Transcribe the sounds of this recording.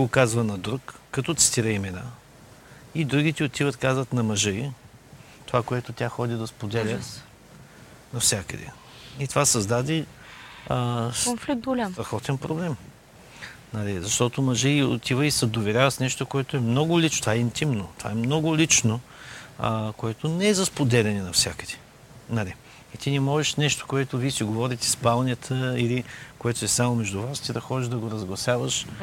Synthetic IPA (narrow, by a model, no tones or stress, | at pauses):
okazvənɐd̪ɾukːɐt̪ɔt̪sə̥t̪iɾəimɛna | id̪ɾuɡit̪iot̪ivət̪kazvət̪nɐmɐʒəi | t̪ovakoɛt̪ot̪ʲaxɔd̪id̪ɐspod̪ɛlʲə | nɐfsʲjakəd̪ɛ̰ | it̪ovasɐzd̪ad̪i | onflik̚t̪ɡʊlʲamt̪ɐxɔt̪ɛnpɾoblɛm | nɐlizɐʃt̪ɔt̪omɐʒɛo̰t̪ivəisɐd̪ovɛɾʲjavəsnɛʃt̪okoɛt̪oɛmnɔɡʊlit͡ʃot̪ovaɛint̪imnot̪ova̰ɛmnɔɡʊlʲit͡ʃno | koɛt̪onɛɛzɐspod̪ɛlʲɛnɛnɐfsʲjakəd̪̥ɛ̥ | nɐli | it̪inimɔʒɛʃnɛʃt̪o̥koɛt̪ʊvisiɡovɔɾit̪ɛ̥spalˠnʲət̪ʰəilikoɛt̪ʊɛsamomɛʒd̪ʊvast̪id̪ɐxɔd̪iʒd̪ɐɡoɾɐzɡlˠɐsʲjavəʃ